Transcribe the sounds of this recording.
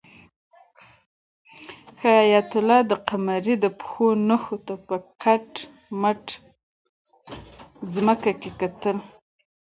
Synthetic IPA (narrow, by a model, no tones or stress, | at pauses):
xaɑjat̪ʊlɑd̪əqamaɾid̪əpxonəxot̪apəkʰaʈ | məʈ | zməkakekat̪əl